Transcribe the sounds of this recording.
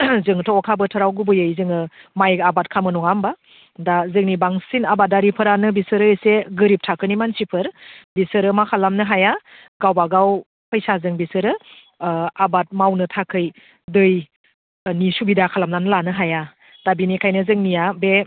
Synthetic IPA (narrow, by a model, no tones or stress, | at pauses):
zɯŋtʰɔɔkʰabɯtʰɯɾawɡubɯjɯjzɯŋɯmajabat̚kʰamɯnɔŋamba | dazɯŋnibaŋsinabat̚daɾipʰɯɾanɯbisɯɾɯseɡɯɾip̚tʰakʰɯnimansipʰɯɾbisɯɾɯmakʰalamnɯɦaja | ɡawbaɡaw | pʰəjsazɯŋbisɯɾɯ | abat̚mawnɯtʰakʰɯj | dɯj | nisubidakʰalamnanɯlanɯɦaja | d̥abinikʰajnɯzɯŋnijabe